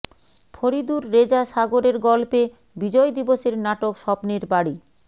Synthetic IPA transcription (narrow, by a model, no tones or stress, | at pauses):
fʰoɾid̪uɾːed͡ʑaʃaɡoɾeɾɡɔlpe | bid͡ʑɔjd̪iboʃeɾnaʈokʃɔpniɾbaɽi